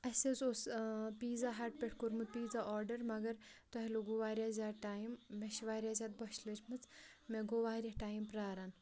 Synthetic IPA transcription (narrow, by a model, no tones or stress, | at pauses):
ɐset͡sospiːd͡zaːɦaːʈ̚pʲeʈʰkoɾmɨt̪̚piːd͡zaːɔːɾɖɐɾmɐɡɐɾt̪ɔɦiloɡoʋaːɾjaːzʲaːʈaːjimːeʃiʋaːɾʲjaːzʲat̪̚bɐʃlɐt͡ʃʰmɨt͡smeɡoʋaːɾʲaʈaːjimpɾaːɾan